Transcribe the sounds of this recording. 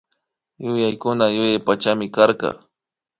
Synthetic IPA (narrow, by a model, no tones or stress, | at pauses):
jʊjajkʊnajʊjajpat͡ʃamɪkaɾqɑ̰